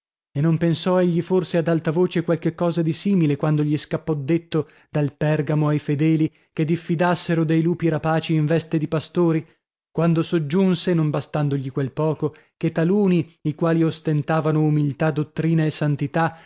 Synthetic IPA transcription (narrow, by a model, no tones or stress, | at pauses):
enːompensɔeʎːiforsead̪alt̪avoːt͡ʃekwalk̟ekːɔːzad̪isiːmilekwand̪oʎiskapːɔd̪ːet̪ːo | d̪̥alpɛrɡamoajfed̪ɛːli | ked̪ifːid̪asːeɾod̪ejluːpiɾapaːt͡ʃiːɱvɛst̪ed̪ipast̪oːɾi | kwand̪osod͡ʒːunsenombast̪and̪oʎikwelpɔːko | ket̪ːaluːniikwaːliost̪ent̪aːvanoumilt̪ad̪ːot̪ːɾiːnaesːant̪it̪a